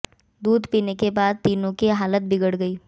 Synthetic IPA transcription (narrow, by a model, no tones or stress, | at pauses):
d̪uːd̪piːnekebaːd̪̚t̪iːnõkiɦaːlət̪̚bɪɡəɽɡəiː